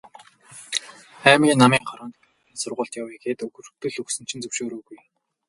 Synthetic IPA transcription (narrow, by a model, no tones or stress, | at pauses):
æːmɡʲiːnːamiːŋχɔɾɔːnt̪ | iːnsʊrʁʊːɬt̪jaweɡeːt̪ɵɣɵ̆rxt̪ɵ̆ɮɵksɘ̆n̥t͡ɕʰɪ̆nt͡sɵwʃoːɾuːɣuj